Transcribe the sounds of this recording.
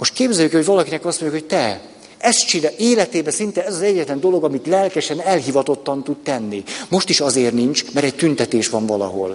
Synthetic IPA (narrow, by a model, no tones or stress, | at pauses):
moʃt̪̚keːbzɛjːykɛoɟvɒlɒkinɛkɒst̪moɲɟukhot̪ɛ | ɛst̪t͡ʃinɛʔeːlɛt̪eːbɛsint̪ɛɛzɒzɛɟːɛt̪lɛnd̪o̞lo̞ɡɒmit̪lɛlkɛʃɛnɛlɦivɒt̪o̞t̪ːɒnt̪ud̪t̪ɛnːimo̞ʃt̪iʃɒzeːrnint͡ʃmɛɾɛɟ̚t̪ynt̪ɛt̪eːʃʋɒɱvɒlɒ̰ɦo̞̰l